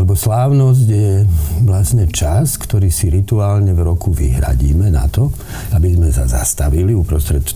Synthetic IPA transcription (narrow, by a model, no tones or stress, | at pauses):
lɛbɔslaːʊnɔz̬ɟjɛʋlasɲɛt͡ʃaskt̪ɔɾiːsiɾit̪uaːlɲɛvɾɔkuʋḭɦɾa̰ɟḭːmɛna̰t̪ɔ | abizmɛsaza̰st̪aʋiliupɾɔst̪ɾɛt̪